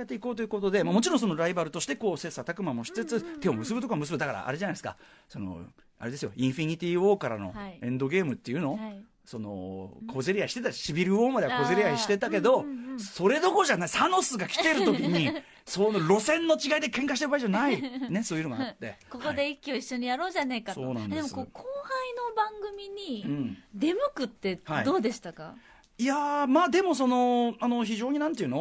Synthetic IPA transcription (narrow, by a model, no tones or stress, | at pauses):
et̪ːeiko̞ːt̪o̞jiɯ̟ko̞t̪o̞d̪e̞mamo̞t͡ɕiɾõs̬o̞noɾaibaɾɯ̟t̪o̞ɕi̥t̪e̞ko̞ːsesat̪akɯ̟mamo̞ɕi̥t͡sɨt͡sɨt̪e̞omɯ̟sɨbɯ̟t̪okaamɯsɨbɯ̟d̪akaɾa̰a̰ɾe̞ʑanaiesɨ̥ka̰sono̞̰ | aɾe̞d̪esɨjo̞ĩɰ̃ɸʲiɲ̟it̪ʲiːo̞ːkaɾa̰no̞̰ẽ̞nd̪o̞ɡe̞ːmɯ̟t̪ːe̞iɯ̟no̞ | so̞no̞̰kʰo̞ze̞ɾʲiaiɕi̥t̪e̞t̪aɕibʲiɾɯ̟oːmad̪eako̞zeɾʲiaiɕi̥t̪e̞t̪ake̞d̪o̞so̞ɾe̞d̪o̞ko̞ʑanaisano̞sɨɡakʲi̥t̪e̞ɾɯ̟t̪o̞kʲiɲ̟i | soːnoɾo̞sẽ̞nːo̞t͡ɕiɡaid̪e̞kẽ̞ŋkaɕi̥t̪eɯbaiʑanaine̞soːiɯɾomaat̪ːe̞̰ko̞koid̪e̞ikʲːio̞iɕːoɲ̟ijaɾo̞ːʑanekasoo̰ːna̰nd̪emokoːkʰoːhaino̞bãŋɡɯ̟mʲiɲ̟iɯ̃ɴd̪e̞mɯ̟kɯ̟t̪ːe̞haid̪o̞ːd̪e̞ɕi̥t̪aka̰ | iamaːd̪e̞mo̞s̬o̞no̞ano̞çiʑo̞ːɲ̟inãnt̪eiɯ̟no